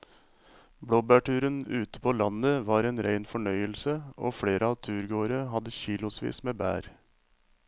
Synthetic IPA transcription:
bɽoːbæːʈʉːɾənʉːt̪ə̥pʰoːlɑnəʋɑːɾeːnɾæɪnfɔɳœʏəlsəo̰ːfɽeːɾʔəɑʋt̪ʰʉːɾɡoːɾəɦɑd̪əçiːlʊsʋḭːsmeːbæ̰ːɾ

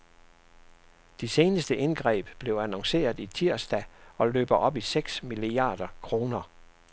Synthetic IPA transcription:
d̥ise̝ːnəsd̥əʔe̝nɡ̥ʁɛ̰ːb̥b̥le̝ʊænɒ̽ŋse̝̰ːɐðˠit͡sʰiɐ̰sd̥æɒ̽lø̰ːb̥ɐʔɒ̽b̥iseɡ̥smiliɑ̰̈ːd̥ɐkʰʁo̝ːnɐ

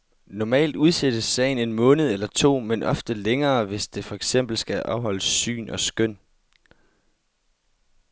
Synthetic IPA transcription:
nɒmɛ̰ːld̥uð̞ˠsed̥əːɛɪn̩e̝nmɔ̽ːnð̞̩ˠelɐt͡sʰo̝̰ːmenʔɒ̽fd̥əleŋɐːʋe̝sd̥e̝fɒ̽eɡ̥sem̰b̥l̩sɡ̥æʔɒʊhɒ̽l̰əsy̰ːnʔɒ̽sɡ̥øn̰

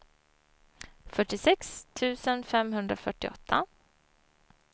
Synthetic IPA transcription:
fœʈːɪsɛkst̪ʰʉ̟ːsənfɛmɦɵnd̪ɾafœʈːɪɔ̰t̪ʰːa

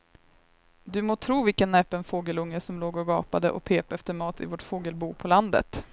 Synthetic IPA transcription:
d̪ɵmoːt̪ʰɾuːvɪlkənːɛpənfoːɡəlɵŋːəsɔmloːɡɔɡɑ̰ːpad̪əʔɔ̰pʰeːpɛft̪əɾmɑːt̪ʰɪ̰voːʈfoːɡəlbuːpʰɔland̪ə̰t̪

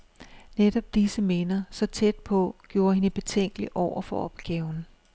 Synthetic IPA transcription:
ned̥ɒ̽b̥̚d̥isəme̝nɐsɒ̽t͡sʰed̥̚pʰɒ̽ɡ̥jo̝ːɐhenəb̥e̝t͡sʰeŋ̰ɡ̥əliʔɒʊ̰ɐfɒ̽ɒ̽b̥ɡ̥ɛːʊn

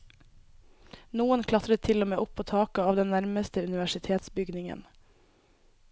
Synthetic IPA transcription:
nuːənkʰlɑt̪ɾət̪ʰɪlomeːʔʊpʰːoːt̪ʰɑːkəɑːʋd̪ɛnnæɾməst̪əʉnɪʋæʃɪt̪ʰeːt̪sbʏɡnɪŋə̰n

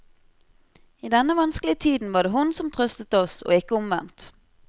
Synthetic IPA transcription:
iːd̪ɛnːəʋɑnskəlɪət̪ʰiːd̪n̩ʋɑːɖeːhʊnsɔmt̪ʰʁœst̪ət̪ɔso̰ːɪkəʊmʋɛ̰nt̪

